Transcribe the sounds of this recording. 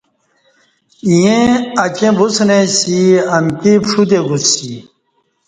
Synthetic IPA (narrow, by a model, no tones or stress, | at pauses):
ijẽɐt͡ɕẽbusnesiɐmkipʂud̪eɡusːi